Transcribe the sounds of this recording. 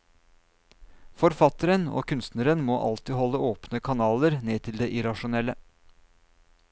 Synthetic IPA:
fɔɾfɑt̪əɾəno̰ːkʰʉnst̪nəɾənmoːʔɑ̰lt̪ɪɦɔlːəoːpnəkʰɑnɑːləɾneːt̪ʰɪld̪eːʔɪɾɑʂʊnɛlːə

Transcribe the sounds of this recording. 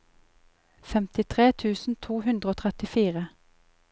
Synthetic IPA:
fɛmt̪ɪt̪ʰʁeːt̪ʰʉːsn̩t̪ʰuːhʉnd̪ʁəoːt̪ʰʁɛt̪ɪfiːʁə

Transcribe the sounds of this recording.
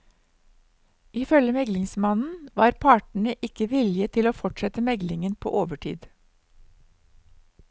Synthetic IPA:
ʔiːfœljəmɛɡlɪŋsmɑnn̩ʋɑːɾpʰɑːʈɳ̩əʔɪkəʋɪlɪət̪ʰɪloːfɔʈʃɛt̪əmɛɡlɪŋənpʰo̰ːʔoːʋəʈʰḭːd̪

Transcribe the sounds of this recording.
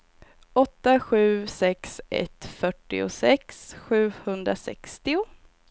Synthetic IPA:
ɔt̪ːaɧʉ̟ːsɛksɛ̰t̪fœʈːɪ̰ʊ̰sɛksɧʉ̟ːhɵnd̪ɾasɛ̰kst̪ɪʊ

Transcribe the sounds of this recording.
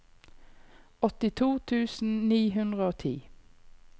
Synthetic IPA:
ɔt̪ɪt̪ʰuːt̪ʰʉːsn̩niːɦʉnd̪ʁəoːt̪ʰḭː

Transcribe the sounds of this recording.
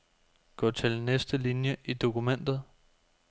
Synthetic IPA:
ɡ̥ɒ̰ːt͡sʰe̝lnesd̥əlinjəʔid̥o̝kʰumen̰d̥ð̞̩ˠ

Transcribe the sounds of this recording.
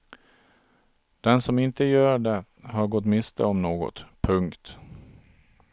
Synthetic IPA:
d̪̥ɛnsɔmɪnt̪əjœːɖɛ | ɦaɾɡɔt̪ːmɪst̪ə̰ɔmnoːɡɔ̰t̪pʰɵŋkt̪

